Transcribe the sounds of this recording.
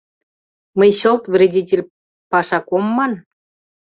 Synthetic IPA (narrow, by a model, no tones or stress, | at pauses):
məjɕə̆lt̪vrʲedʲitʲelʲ | pɑʃɑkomːɑn